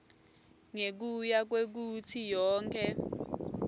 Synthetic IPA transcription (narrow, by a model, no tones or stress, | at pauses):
ŋek̬ujak̬wek̬utʰijɔːŋkʰʼɛ